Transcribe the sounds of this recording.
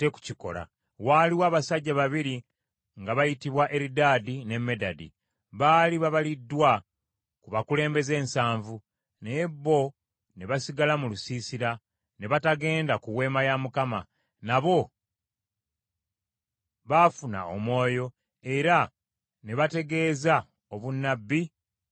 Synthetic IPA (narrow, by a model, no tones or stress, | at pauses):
te̞ku̥ciko̞̰la̰ | waːliwaːβasaɟːaβaβiɾi | ŋɡaβajitiβwaʔe̞ɾidaːdine̞mːe̞dadḭ | βaːliβaβalidːwa | kuβakule̞ːmbe̞ze̞ːnsaːɱvu | neebːo̞ | ne̞βasiɡalamulusiːsiɾa | ne̞βataɡe̞ːndakuwe̞ːmajamukama | naβo̞ | βafuna̰o̰mo̞ːjo̞ | e̞ɾa | ne̞βate̞ɡe̞ːza | o̞βunːabːi